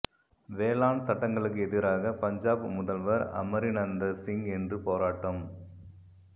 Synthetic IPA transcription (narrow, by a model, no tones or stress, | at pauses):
ʋeːlaːnsɐʈːɐŋɡɐɭɯk̬ːɯɛðɪɾaːɣɐpɐɲd͡ʒaːbmʊðɐlʋɐɾɐ̰mɐɾɪnɐnd̪ɐsɪŋɡɛndrɯpoːɾaːʈːɐm